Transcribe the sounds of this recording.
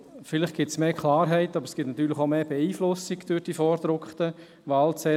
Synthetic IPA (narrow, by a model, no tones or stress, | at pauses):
fɪlɪχɡ̥ɪtsmeːkʰlaːɾɦɛɪtabəɾəsɡ̥ɪtnat̪yːɾlɪχoʊmeːb̥eiːflʊsɪɡd̥øɾd̥iːfɔːɾd̥ɾʊkχtə | ʋaːlt͡sɛ